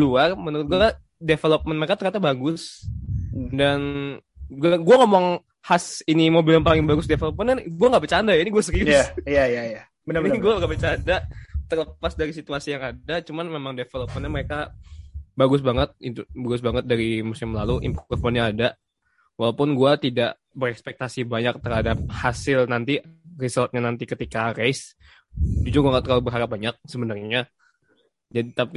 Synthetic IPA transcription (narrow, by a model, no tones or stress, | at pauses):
luarmənəɾʊt̪̚ɡuaka | defelop̚mənməɾekat̪ərɲat̪abaɡʊs | dan | ɡuaɡuaŋomɔŋ | hasinimobɪljapalɪŋbaɡʊsdefelop̚mənanɡuaŋɡaʔbət͡ʃandajainiɡuasəɾiʊjajaja | mənaɡuaɡabət͡ʃadat̪ərləpasdaɾisit̪uasijaŋadat͡ʃumanmemaŋdefelop̚mənɲaməɾeka | baɡʊsbaŋət̪̚it̪ubaɡʊsbaŋət̪̚daɾimusɪmlaluʔɪ̰mpuɔrfɔnɲaada | walawpʊnɡuat̪idaʔ | bəɾɛkspɛk̚t̪asibaɲak̚t̪ərhadap̚hasɪlnant̪irisɔlt̪̚ɲanant̪ikət̪ikaɾɛs | d͡ʒud͡ʒʊɡŋat̪kalobərɦaɾap̚baɲak̚səbənarɲa | d͡ʒadit̪api